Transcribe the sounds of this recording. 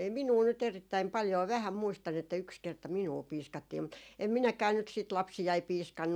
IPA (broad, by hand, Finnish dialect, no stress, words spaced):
ei minuː nyt eritːæim pɑljoː ʋæhæm muistɑn etːæ yks kertɑ minuɑ piːskɑtːiː mut em minækæː nyt siːt lɑpsijɑi piːskɑnːu